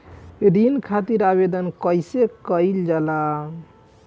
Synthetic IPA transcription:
ɾinkʰat̪iɾabed̪ənkəjsekəjld͡ʒala

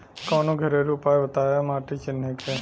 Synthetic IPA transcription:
kɔːnoɡʱəɾeɾupaʋət̪aːjamaːʈit͡ʃʰɪnekʰe

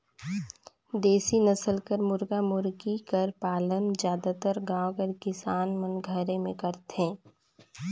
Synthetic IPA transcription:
d̪eːsinɐsəlkəɾmʊɾɡamʊɾɡikɐɾpaːlənzjaːd̪at̪əɾɡãːwkəɾkɪsaːnmənɡʱəɾemẽkɐɾt̪ẽː

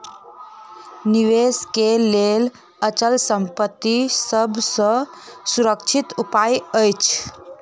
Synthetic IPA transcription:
niʋeskelel | ət͡ʃəlsəmpət̪ːisəbʱsə̃ | suɾəkt͡ʃʰit̪upajəjt͡ʃʰ

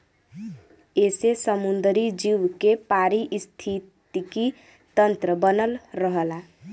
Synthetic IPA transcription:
esesəmund̪ɾid͡ʒiwkepaɾiʔst̪ʰit̪iki | t̪ənt̪ɾəbənəlɾəɦəla

